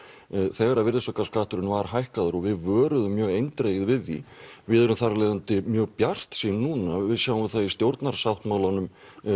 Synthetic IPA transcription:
θɛːɣaɾaðvɪɾðɪsɔkaskaht̪ʏɾɪnvaɾɦajhkaðʏɾɔɣvɪðvœːɾʏðʏmːjœːɣejnt̪ɾejɣɪðvɪðːḭvɪðʏɾʏmθaralejðant̪ɪmjœːɣpjar̥t̪sinnːuːnavɪðsjaːwɪmvɪðθaist̪jowɾt̪naɾ̥saht̪maːwlanʏm

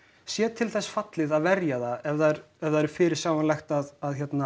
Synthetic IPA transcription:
sjɛːt̪ʰɪlθɛsːfat̪lɪðaðvɛɾjaðaɛvðaɾ | ɛvðaɛɾ̥fɪːɾɪɾ̥sjaːwanlajxt̪aðaðçjɛt̪na

